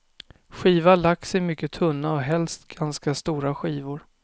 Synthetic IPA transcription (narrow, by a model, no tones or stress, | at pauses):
ɧiːvaɭaksɛjmʏkːət̪ʰɵnːaɔɦɛlst̪ɡanskast̪uːɾaɧiːvʊɾ